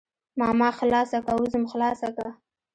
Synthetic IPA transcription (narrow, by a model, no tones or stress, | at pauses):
mɑmɑxlɑsakauzəmxlɑsaka